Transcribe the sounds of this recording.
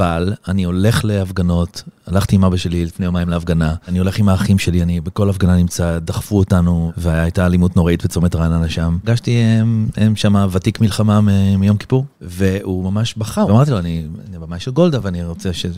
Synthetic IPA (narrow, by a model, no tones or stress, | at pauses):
valanio̞le̞χle̞afɡano̞talaχtiːmabaʃe̞lilifne̞jomajimleafɡanaanio̞le̞χimaːχimʃe̞lianibeko̞lafɡananimt͡sad̪aχfuotanuveajaːjtalimut̪no̞ʁaitbet͡so̞metʁananaʃamɡaʃtiemʃamavatikmilχamamemijo̞mki̥puʁ | ve̞umamaʃbaχaʁamaʁt̪̬iloaninibemajmʃelɡo̞ld̪aveaniʁo̞t͡seʃe